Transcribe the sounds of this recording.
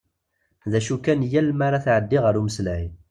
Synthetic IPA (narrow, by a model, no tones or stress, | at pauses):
ðæʃukænjælmaɾaθʕəd̪ːiʁəɾuməslæj